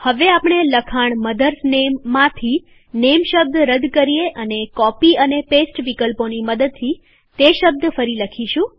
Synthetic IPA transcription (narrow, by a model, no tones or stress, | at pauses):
həʋeapɳ̃eləkʰaɳməd̪əɾsnemːãt̪ʰi | nemʃəb̚d̪ɾəd̪kəɾijeʔənekɔpiənepesʈʋikəlponiməd̪əd̪̚t̪ʰi | t̪eʃəb̚d̪fəɾiləkʰiʃũ